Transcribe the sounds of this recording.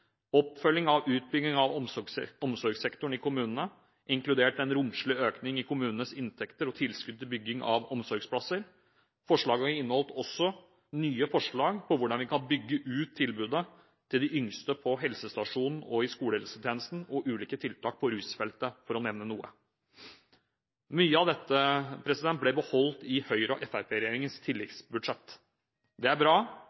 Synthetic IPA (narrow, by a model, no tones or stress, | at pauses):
ɔpfœlːɪŋɑʋʉːt̪̚bʏɡnɪŋɑʋɔɔmsɔɾɡsɛkt̪ʊɳɪkʊmʉːnnə | ʔɪŋklʉd̪eːʈɛnɾʊmʂɭɪøːknɪŋɪkʰʊmʉːnən̩əsɪnt̪ʰɛkt̪əɾɔt̪ʰɪlskʉd̪̚ʰɪlbʏɡːɪŋɑ̰ʋɔmsɔɾɡspʰlɑsəɾ | fɔʂɭɑːɡəɑɾɪnːəhɔlt̪ɔsːɔ | nyːəfɔʂɭɑːɡpʰɔʋʊɖɑnʋɪkʰɑnbʏɡːəʔʉːt̪ʰːɪlbʉːd̪ə | t̪ʰɪld̪ɪʔʏŋst̪əpʰɔɦɛlsəst̪ɑʂuːnn̩ɔɪskuːləɾɛsət̪ʰeːnəst̪n̩ɔʔʉːliːkət̪ʰɪlt̪ʰɑːk̚pʰɔɾʉːsfɛlt̪əfɔɾɔnɛʋnənuːə̰ | myːəɑʋd̪ɛt̪ːəpʰɾɛsɪd̪ɛnt̪̚blɛbəhɔlt̪ɪhœʏɾɔ̰ʔɛfæɾpʰeːɾɛjeːɾɪŋənst̪ʰɪlːɛkt̪sbʉd̪ʂɛt̪ː | d̪ɛæɾbɾɑː